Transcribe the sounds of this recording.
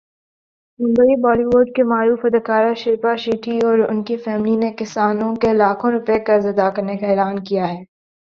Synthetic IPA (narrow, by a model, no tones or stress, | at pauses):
mʊ̃mbəibɔːliʋʊːɾɖ̚kemaːɾuːfɐd̪əkaːɾaʃɪɾpaʃiːʈʰiɔːɾʊ̰nkifɛːmlinekɪsaːnõkelaːkʰõɾʊpekɐɾzɐd̪akɐɾnekaeːlaːnkijaɦɛː